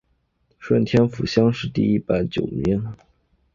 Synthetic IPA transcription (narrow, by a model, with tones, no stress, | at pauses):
ʂwə˥˩nt̪ʰjɛ˥nfu˨˩ɕjɑ˥ŋʂɻ̩˥˧t̪i˥˩i˥˩pa˧˩˥ɪt͡ɕjo̰˨˩ʊmi˧˥n